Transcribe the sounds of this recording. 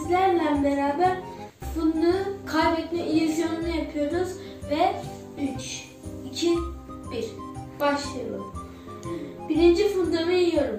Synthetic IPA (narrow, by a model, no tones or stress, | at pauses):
zlʲæɾlʲænbeɾaːbæɾfund̪ɯkʰajbɛt̪mɛilʲizjonunajapʰɯjo̞ɾuz | vɛ | yt͡ʃ | icʰi | b̥iɾb̥aʃlˠɯɯ̰ | b̥iɾind͡ʒifund̪amɯjijo̞ɾum